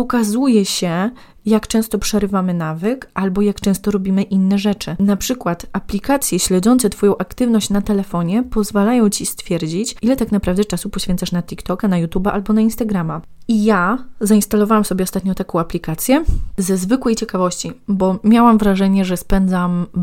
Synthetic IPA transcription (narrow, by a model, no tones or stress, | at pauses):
ɔkazujɛɕɛ | jakt͡ʂɛ̃w̃st̪ɔpʂɛɾɘvamɘnavɘkalbɔjakt͡ʂɛ̃w̃st̪ɔɾɔbʲimɘʔinːɛʐɛt͡ʂɘnapʂɘkwat̪aplʲikat̪sʲjɛɕlɛd̪ɔnt̪sɛt̪fɔjɔ̃w̃ʔakt̪ɘvnɔɕt͡ɕnat̪ɛlɛfɔɲɛpɔzvalajɔ̃w̃t͡ɕist̪fʲjɛɾd͡ʑit͡ɕʔilɛt̪aknapɾavd̪ɛt͡ʂasupɔɕfʲɛnt̪saʂnat̪ʲikt̪ɔkanajut̪ubaʔalbɔnainst̪aɡɾama | ijazainst̪alɔvawamsɔbʲjɛɔst̪at̪̚ɲɔ̃t̪akɔ̃w̃aplʲikat̪sʲjɛzɛzvɘkwɛjt͡ɕɛkavɔɕt͡ɕibɔmʲjawamvɾaʐɛɲɛʐɛspɛnd̪zam